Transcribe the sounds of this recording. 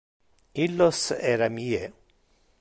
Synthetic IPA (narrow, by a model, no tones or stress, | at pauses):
iloseɾamie